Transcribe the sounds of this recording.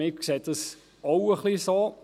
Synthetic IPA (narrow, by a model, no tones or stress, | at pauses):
ɪkkset̚dɑs | owəχliso